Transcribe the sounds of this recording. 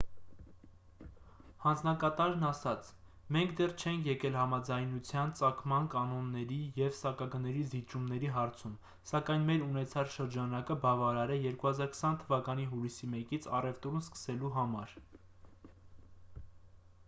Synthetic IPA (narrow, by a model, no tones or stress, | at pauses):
hɑnd͡znɑkɑt̪ɑɾnɑsɑt͡sʰ | mɛŋkʰd̪ɛrt͡ʃʰɛŋkʰjɛkɛlɦɑmɑd͡zɑjnut͡sʰjɑnt͡sɑkʰmɑnkɑnɔnːɛɾijɛvsɑkɑɡənɛɾizit͡ʃumnɛɾiɦɑɾt͡sʰum | sɑkɑjnmɛɾunɛt͡sʰɑt͡sʃəɾd͡ʒɑnɑkəbɑvɑɾɑɾɛjɛɾkuhɑzɑɾkʰə̥sɑnt̪ʰəvɑkɑniɦulisimɛkit͡sʰɑ̰rɛvt̪ɔɾnskə̥sɛluɦɑmɑɾ